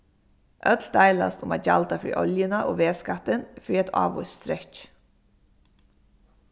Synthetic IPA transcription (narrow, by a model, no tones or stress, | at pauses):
ʔœt̪ld̪æɪla̰st̪ʊmɑːjalt̪afɾḭːʔɔljənaʔoːʋeːskat̪ɪnfɹiːɛt̪ʰɑ̰ːʋʊ̰st̪ɾɛc